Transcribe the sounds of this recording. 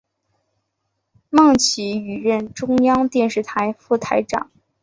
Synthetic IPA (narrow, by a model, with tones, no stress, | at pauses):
mɑ˥˩ŋt͡ɕʰi˧˥y˨˩ɻə˥˩nʈ͡ʂʊ˥ŋjɑ˥ŋt̪jɛ˥˧nʂɻ̩˥˩t̪ʰa˧˥ɪfu˥˩t̪ʰa˧˥ɪʈ͡ʂɑ̰˨˩˦ŋ